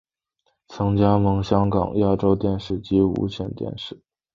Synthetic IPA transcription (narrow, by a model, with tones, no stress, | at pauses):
t͡sʰɤ˧˥ŋt͡ɕja˥mɤ˧˥ŋɕjɑ˥ŋkɑ̰˨˩ŋja˥˩ʈ͡ʂo˥ʊt̪jɛ˥˧nʂɻ̩˥˩t͡ɕi˧˥ṵ˧˥ɕʰjɛ̰˥˩nt̪jɛ̰˥˧nʂɻ̩˥˩